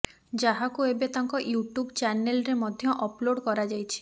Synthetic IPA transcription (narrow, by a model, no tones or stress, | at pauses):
d͡ʒaɦakuebet̪aŋkɔjuʈubt͡ʃanelɾemɔd̪ʱjɔʔɔploɽkɔɾad͡ʒajt͡ʃʰi̥